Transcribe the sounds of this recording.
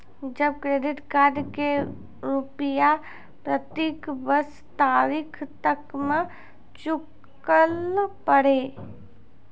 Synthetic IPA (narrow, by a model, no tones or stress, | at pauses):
d͡ʒɐb̚kɾeːɖɪʈkaːɾɖke | ɾʊpja | pɾət̪eːkbəs | t̪aːɾɪkʰt̪əkmə | t͡ʃʊk | əlpəɽeː